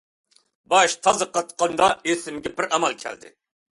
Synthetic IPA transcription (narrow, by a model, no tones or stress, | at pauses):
bɑʃt̪ʰɑzɨqɑt̪qɑnd̪ɑesɪmɡʲɛbɪɾɑmɑlˠkʲʰæ̰ld̪ɪ̰